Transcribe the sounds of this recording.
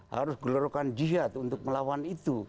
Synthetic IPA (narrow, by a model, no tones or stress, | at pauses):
ha̰ɾusɡɔlɔɾɔkand͡ʒiɦat̪unt̪ʊk̚məlawanit̪u